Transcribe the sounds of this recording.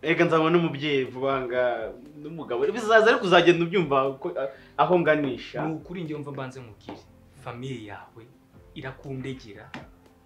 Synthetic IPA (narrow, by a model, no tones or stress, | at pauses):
eɡanzamanomubjeːjevuβaːŋɡa | nomuɡaβoeβisazazaɾikuzaɟeiβjuːɱvako | aɦo̞ŋɡaniːʃanukuɾiːɲioɱvambaːnzemuɡiɾi | famiɾija̰ːwe̞ | iɾakuːndeɟiɾa